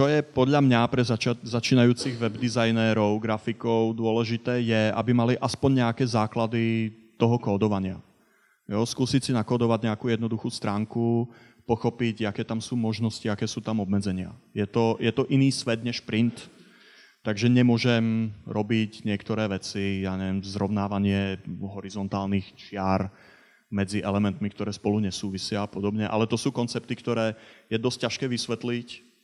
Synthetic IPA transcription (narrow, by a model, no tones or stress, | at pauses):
t͡ʃɔjɛpɔd̪ʎamɲapɾɛzat͡ʃazat͡ʃiːnajuːt͡siɣʋɛbd̪izajnɛɾɔʊɡɾafikɔʊd̪ʊɔlɛʒit̪ɛːjɛa̰bimaliʔaspɔɲɲɛakɛːzaːklad̪i | t̪ɔɦɔkɔːd̪ɔʋaɲɪa̰ | jɔskuːsicsinakɔːd̪ɔʋaɟɲɛakuːjɛd̪nɔd̪uxuːst̪ɾaːŋku | pɔxɔpiɟakɛːt̪amsuːmɔʒnɔsciakɛːsuːt̪amɔbmɛd͡zɛɲɪa̰jɛt̪ɔjɛt̪ɔʔiniːsʋɛd̪ɲɛʃpɾint̪ː | aɡʒɛɲɛmʊɔʒɛmɾʔɔbicɲɪɛkt̪ɔɾɛːʋɛt͡sijaːɲɛʋɪɛmzɾɔʊnaːʋaɲɪɛɦɔɾizɔnt̪aːlnixt͡ʃɪaɾ | mɛd͡ziʔɛlɛmɛnt̪mikt̪ɔɾɛːspɔluɲɛsuːʋisɪaːpɔd̪ɔbɲɛʔa̰lɛt̪ɔsuːkɔnt͡sɛp̚t̪ikt̪ɔɾɛːjɛd̪ɔsc̚cːaʃkɛːʋisʋɛt̪lic